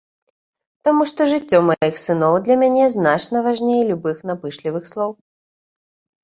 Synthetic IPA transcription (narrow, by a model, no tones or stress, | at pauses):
t̪amuʂt̪ɔʐɨt͡sʲːɔmajixsɨnɔwd̪lʲɐmʲanʲɛznat͡ʂnɐvaʐnʲejlʲubɨxn̪apɨʂlʲivɨxslˠɔw